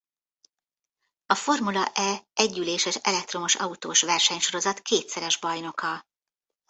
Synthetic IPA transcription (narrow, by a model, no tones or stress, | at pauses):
ɒfo̞rmulɒʔɛɛɟːyleːʃɛʃɛ̰lɛk̚t̪ro̞moʃɒ̰ut̪oːʃʋɛrʃɛɲʃo̞ɾo̞zɒt̪keːt̪sɛɾɛʒbɒjno̞kɒl